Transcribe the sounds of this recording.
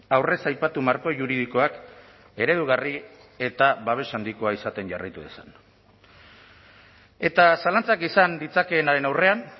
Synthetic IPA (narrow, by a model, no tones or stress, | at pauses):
awre̞sajpat̪umaɾko̞ʝuɾið̞iko̞ak | e̞ɾe̞ð̞uɣ̞ari | e̞t̪aβaβ̞e̞sand̪iko̞aisat̪e̞nʝa̰ra̰jt̪uðe̞̰sa̰n | e̞t̪asalant͡sakisand̪it͡sake̞ːnaɾe̞nawre̞an